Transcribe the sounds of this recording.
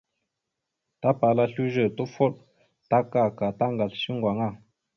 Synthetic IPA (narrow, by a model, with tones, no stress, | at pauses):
ta˦pa˨˦la˦ɬu˦ʒə˦˨to˦fɔ˦ʔ | ta˦ka˦˨ka˨ta˦ŋɡa˨lʃi˦ŋɡwa˨ŋa˦˨